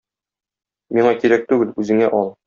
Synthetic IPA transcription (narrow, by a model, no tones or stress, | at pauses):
miɴɑkiɾæk̚t̪ʉɡɘlʉzɘ̆ŋæʔɒlˠ